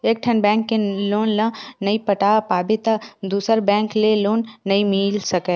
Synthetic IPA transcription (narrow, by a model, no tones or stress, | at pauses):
eːk̚ʈʰənbɛ̃ːŋkːeloːnlãnɐipɐʈaːpaːbɪt̪ad̪uːsəɾbɛ̃ːŋkleloːnːɐimiːlsɐkɛː